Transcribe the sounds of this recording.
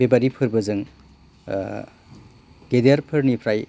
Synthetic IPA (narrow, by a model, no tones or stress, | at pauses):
bebaɾipʰɯɾbɯzɯŋ | ɡedeaɾpʰɯɾnipʰɾaj